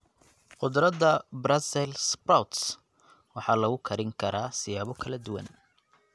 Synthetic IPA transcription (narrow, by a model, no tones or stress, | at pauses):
qʊd̪ɾɐd̪ɐbɾɐsɛlsprawt̪s | wɑħɑːlɐɣʊkʰɐɾɪŋkʰɐɾaːsɪjaːβɔkʰɐlɐd̪ʊwɐ̰n